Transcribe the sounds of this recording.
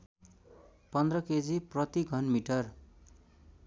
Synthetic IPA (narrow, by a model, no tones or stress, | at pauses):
pʌnd̪rʌked͡ziprʌt̪iɡʱʌnmiʈʌr